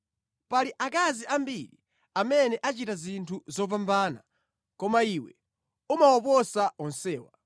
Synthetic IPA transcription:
paliʔakaziʔambiɾḭ | amɛnɛʔat͡ʃitazintʰuzɔpambaːna̰ | kɔmaiwɛ | umawɔpɔsaɔnsɛːwa

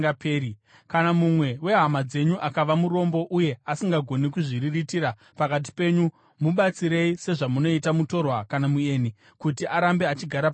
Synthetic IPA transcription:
apeːɾi | kanamumwe̞we̞ɦamad͡ze̞ɲuʔakaʋamuɾo̞mbo̞ʔuje̞asiŋɡaɡʱo̞nikuʐiriritiɾa | pakat̬i̥pe̞ːɲu | muɓat͡siɾe̞ise̞ʐamuno̞itamuto̞rwakanamueːni | kutiʔaɾambe̞at͡ʃiɡʱaɾapa

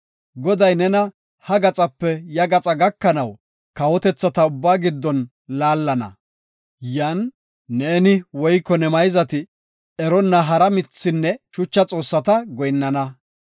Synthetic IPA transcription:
ɡɔd̪ɐjnɛnɐ | hɐɡɐt͡sʼɐpːɛjɐɡɐt͡sʼɐɡɐkːɐnɐw | kɐwɔt̪ɛt͡sːɐt̪ɐʊbːaːɡɪd̪ːɔn | laːlːɐnɐ̰ | jaːnː | e̞ːnɪwɔjkːɔnɛmɐjzɐt̪ɪ | ɛɾɔnːɐɦɐɾɐmɪt͡sːɪnːɛʃʊt͡ʃːɐt͡sʼo̞ːsːɐt̪ɐɡɔjnːɐnɐ

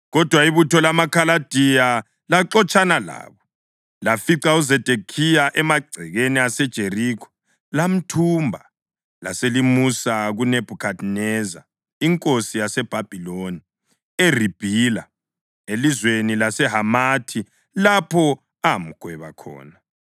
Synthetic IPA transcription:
ɣɔd̥ʱwaiβutʰɔlamakʰalad̥ʱija | laǁɔt͡ʃʰʼanala̰ːβɔ | lafiǀauzɛd̥ʱekʰijaʔɛmaɡ͡ǀʱɛɣeniasɛd̥ʒ̥ʱerikʰɔ̥ | lam̩tʰumbʱa | la̰selimusaɣuneb̥ʱukʰadnɛza̰ | iŋkʼosijasɛb̥ʱab̥ʱiloni | erib̥ʱiːla̰ | elizwenilasɛɦamatʰi | lapʰɔ | am̩ɡ̥ʱwɛβa̰kʰɔ̰ːna

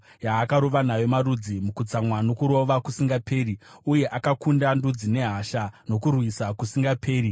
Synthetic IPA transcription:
jaːkaɾoʋanajomaɾud͡zimukut͡samwano̞kuɾo̞ʋakusiŋɡapʰe̞ːriuje̞ʔakakundandud͡zine̞ɦaʃano̞kurwisakusiŋɡapʰe̞ːɾi

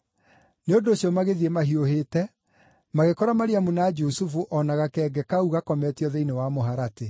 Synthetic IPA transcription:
neondoːɕiɔmaɣeðiemaɦioheːtɛ | maɣekɔɾamaɾiamunad͡ʒusufuʔɔnaɣakɛɡɛkauɣakɔmɛtiɔðeinewamoɦaɾate

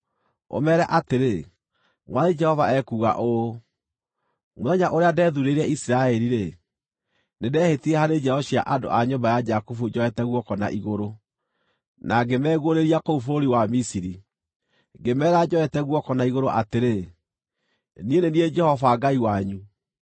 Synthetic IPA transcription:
o̰mɛɾɛʔateɾe | ŋwʔaðed͡ʒɛhɔvaɛkuːɣa̰ʔo | moðɛɲaʔoɾeadɛːðuɾeɾɛisiɾaɛɾiɾe | nedɛhetiɛhaɾed͡ʒɛɔɕia̰ʔado̰ʔaɲombajad͡ʒakufud͡ʒɔɛtɛɣwɔkɔna̰ʔiɣoɾo | naɡemɛːɣoɾeɾiakoufoɾiwamisiɾi | ŋɡemɛːɾad͡ʒɔɛtɛɣwɔkɔnaiɣoɾoʔateɾe | nienenied͡ʒɛhɔvaɡaiwaɲu

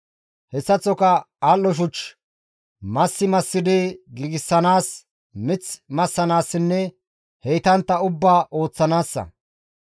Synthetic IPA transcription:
hɛsːɐt͡sːɔkɐ | aːlːɔʃ̬ʊt͡ʃ | mɐsːɪmɐsːɪd̪ɪɡɪɡɪsːɐnaːs | mɪt͡smɐsːɐnaːsːɪnːɛ | hɛjt̪ɐnt̪ːɐʊbːaːʔo̞ːt͡sːɐnaːsːɐ̰

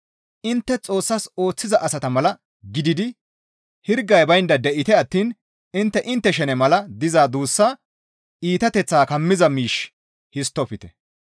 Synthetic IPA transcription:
ʔɪnt̪ːɛt͡sʼo̞ːsːɐso̞ːt͡sːɪzɐʔɐsɐt̪ɐmɐlɐ | ɡɪd̪ɪd̪ɪ | hɪɾɡɐjbɐjnd̪ɐd̪ɛʔɪt̪ɛɐt̪ːiːn | ɪnt̪ːɛʔɪnt̪ːɛʃ̬ɛnɛmɐlɐd̪ɪzaːd̪uːsːaː | ʔiːt̪ɐt̪ɛt͡sːaːkɐmːɪzɐmiːʃ | hɪst̪ːɔpɪt̪ɛ̥

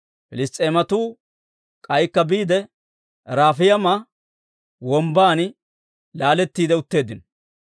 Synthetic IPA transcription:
fɪlɪst̪ʼːeːmɐt̪uː | kʼɐjkːɐbiːd̪ɛ | ɾaːfɪjɐma | wɔmbaːn | laːlɛt̪ːiːd̪ɛʊt̪ːe̞ːd̪ɪn

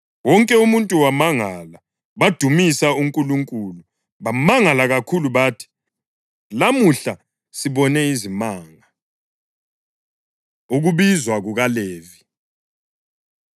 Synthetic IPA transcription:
wɔŋkʼɛumuntʼuwamaŋala | βad̥ʱumisauŋkʼuluŋkʼuːlu | βamaŋalaɣakʰuluβaːtʰi̥ | lamuɬa | siβɔnɛizimaːŋa | uɣuβizwaɣuɣaleːvi

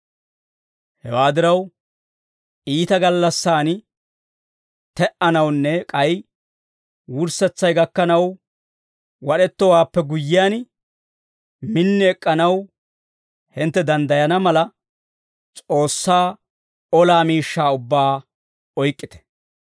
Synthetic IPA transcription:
hɛwaːd̪ɪɾɐw | ʔiːt̪ɐɡɐlːɐsːaːn | t̪ɛʔɐnɐwnːɛkʼɐj | wʊɾsɛt͡sːɐjɡɐkːɐnɐw | wɐɗɛt̪ːɔwaːpːɛɡʊjːɪjaːn | mɪnːɪɛkʼːɐnɐw | hɪnt̪ːɛd̪ɐnd̪ɐjɐnɐmɐlɐ | t͡sʼo̞ːsːaː | ɔlaːmiːʃːaːʊbːaː | ɔjkʼːɪt̪ɛ̥

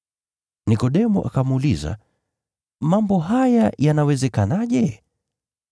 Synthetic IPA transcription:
nikɔɗɛmuʔa̰kamuliza̰ | mambɔɦajajanawɛzɛkanaʄɛ

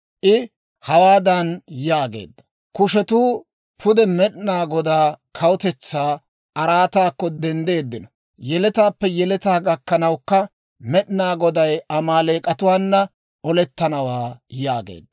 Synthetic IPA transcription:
ʔɪ | hɐwaːd̪ɐnjaːɡḛːd̪ːɐ̥ | kʊʃɛt̪uː | pʰʊd̪ɛmɛɗnaːɡɔd̪aːkʰɐwʊt̪ɛt͡sːaː | ʔɐɾaːt̪aːkːɔd̪ɛnd̪e̞ːd̪ːɪnɐ | jɛlɛt̪aːpːɛjɛlɛt̪aːɡɐkːɐnɐwkːɐ | mɛɗɪnaːɡɔd̪ɐjɐmaːleːkʼɐt̪ʊwaːnːɐ | ɔlɛt̪ːɐnɐwaːjaːɡḛːd̪ːɐ̥

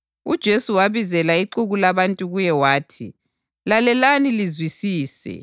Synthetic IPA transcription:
ud̥ʒ̥ʱesuwaβizɛlaiǃuɣulaβantʼuɣujɛwaːtʰḭ | lalɛlanilizwisiːsɛ̰

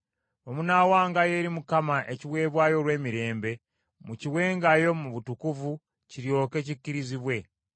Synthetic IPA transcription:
omunaːwaːŋɡaje̞ːɾimukamaʔe̞ciwe̞ːβwaːjo̞ɾwe̞ːmiɾe̞ːmbe̞ | muciwe̞ːŋɡajo̞muβutukuvu | ciɾjo̞ːke̞ːc̬icːiɾiziβwe̞

